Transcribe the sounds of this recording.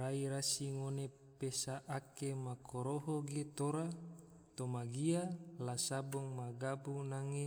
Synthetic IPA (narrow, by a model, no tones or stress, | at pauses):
raiɾasiŋone | pesaʔakemakʰoɾoɦoɡet̪oɾa | t̪omaɡialasabɔŋmaɡabunaŋe